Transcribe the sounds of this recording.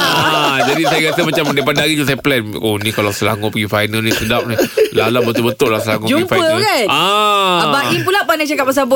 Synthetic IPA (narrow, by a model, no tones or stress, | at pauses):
ad͡ʒadisajakat̪amat͡ʃamdaipadaaɣid͡ʒus̬ajaplɛn | onĩkalasəla̰ŋʊpəɡifajnəlnĩsədap̚nilalaʔbət̪ʊʔbət̪ʊʔlasəlaŋũd͡ʒuɡifaəlkanaabainpulapanat͡ʃakap̚mas̬abʊ